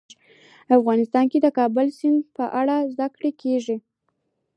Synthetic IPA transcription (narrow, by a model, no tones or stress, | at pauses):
afɣɑnɪst̪ɑnked̪əkɑbʊlsɪnd̪pəʔaɽazd̪akɽekeʐi